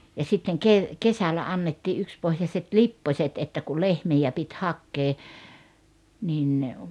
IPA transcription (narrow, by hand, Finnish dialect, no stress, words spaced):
jɑ sitːeŋ keʋ kesælæ ɑnːetːiː ʔykspohjɑset lipːosʲet etːæ ku lehmijæ pit hɑkːeː nin